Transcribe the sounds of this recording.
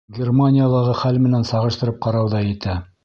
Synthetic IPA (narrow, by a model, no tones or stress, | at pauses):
ɡʲermanʲɪjalˠɑʁɤχælmɘ̆nænsɑʁɤ̆ʃt̪ɤ̆ɾɤp̚qɑɾɑwðɑjɘ̆t̪æ